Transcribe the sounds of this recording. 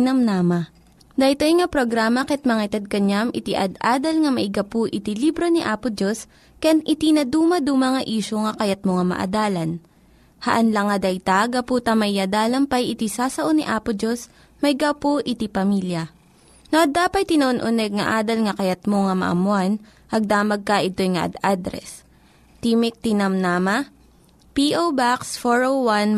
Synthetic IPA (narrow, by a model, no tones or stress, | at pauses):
nɐmnaːmɐ | d̪ɐjt̪ojŋɐpɾoɡɾaːmɐkɛt̪̚mɐŋaɪt̪ɐd̪̚kɐɲamʔɪt̪iʔɐd̪ʔaːd̪ɐlŋɐmɐʔɪɡɐpoʔɪt̪ilibɾo̞niʔaːpʊd͡ʒos | kɐjanʔɪt̪inɐd̪uːmɐd̪umɐŋɐʔiːʃoŋɐkɐjɐt̪̚moŋɐmɐ̰ʔɐ̰d̪aːlɐn | hɐʔɐnlɐŋɐd̪ɐjt̪aɡɐpuːt̪ɐmɐʔiʔɐd̪aːlɐmpɐjʔɪt̪isaːsɐʔoniʔaːpʊd͡ʒo̞s | mɐjɡawpoʔɪt̪ipɐmiːljɐ | noʔɐd̪aːpɐt̪̚t̪ːɪnɐʔonʔʊnɛɡ̚ŋɐ̰ʔaːd̪ɐlŋɐkɐjɐt̪̚moŋɐmɐ̰ʔɐ̰mʊan | ʔɐɡ̚d̪aːmɐɡ̚kɐʔɪt̪o̞jŋɐʔɐ̰d̪ad̪ɾɛ̰s | t̪imɪk̚t̪inɐmnaːmɐ | piʔowbaksfoɹowwan